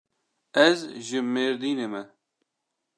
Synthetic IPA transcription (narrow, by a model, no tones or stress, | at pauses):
ɛzʒɨmeːɾd̪iːneːmɛ